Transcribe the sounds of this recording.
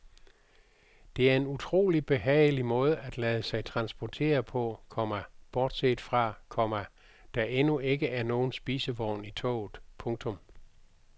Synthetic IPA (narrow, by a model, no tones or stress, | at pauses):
d̥e̝æɐe̝nut͡sʰʁo̝̰ːlib̥e̝ɦɛ̰ːɪlimɔ̽ːð̞ˠəæd̥læːð̞ˠəsɑ̈ɪt͡sʰʁɑ̈nsb̥ɒt͡sʰe̝̰ːɐpʰɒ̽kʰɒ̽mɐb̥ɒːd̥seːd̥fʁɑ̈kʰɒ̽m̰ɐ | d̥ɑ̈ʔe̝nue̝ɡ̥əʔæɐno̝ːn̩sb̥iːsəʋɒʊ̰nit͡sʰɔ̰ːʊð̩ˠpʰɔ̽ŋt͡sʰɔ̽m